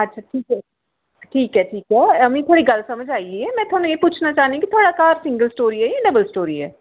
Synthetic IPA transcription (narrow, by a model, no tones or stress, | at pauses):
ətːʃʰaːʈʰiːkɛ | ʈʰiːkɦɛːʈʰiːkɦɛːəmĩːt̪ʰaːɽiːɡəlsəməd͡ʒaːiɛːmɛ̃ːt̪ʰoaːnũeːput͡ʃʰnaːt͡ʃaːɦnĩːkɪt̪ʰoaːɽaːkaːɾsɪ̃ŋɡəlsʈoːɾiːɛːɛɖəbəlsʈoːɾiːɛ̰ː